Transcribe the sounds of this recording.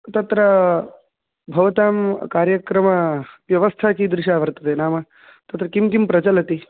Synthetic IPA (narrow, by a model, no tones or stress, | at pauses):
t̪ɐt̪ɾɐ | bʱɐʋɐt̪aːmkaːɾjɐkɾɐmɐʋjɐʋɐst̪ʰaːkiːd̪ɾɪʃaːʋɐɾt̪ɐt̪enaːmɐ | t̪ɐt̪ɾɐkimkimpɾɐd͡ʒɐlɐt̪i